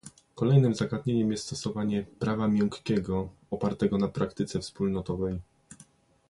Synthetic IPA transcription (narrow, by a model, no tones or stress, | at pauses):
kɔlɛjnɘmzaɡad̪ɲeɲɛmjɛst̪t̪ɔsɔvaɲɛpɾavamʲjɔŋkkʲɛɡɔ | ɔpaɾt̪ɛɡɔnapɾakt̪ɘt̪sɛfspulnɔt̪ɔvɛj